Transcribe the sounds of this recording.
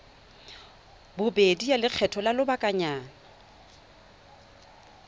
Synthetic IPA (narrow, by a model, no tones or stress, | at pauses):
bʊbedijalɪk͡xʰɛtʰɔlalʊbakʼaɲaːna